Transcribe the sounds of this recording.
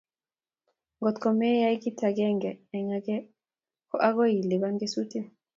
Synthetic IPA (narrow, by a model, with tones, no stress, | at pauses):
ŋɡɔ˨t̪kɔ˨mɛ˦ja˦i˦ki˦tʰa˨kɛ˦ŋɡɛː˨ɲa˦kɛ˦ | kɔ˦ʔa˦kɔ˦ji˨le˨βa˦ŋɡe˦su˦ti˦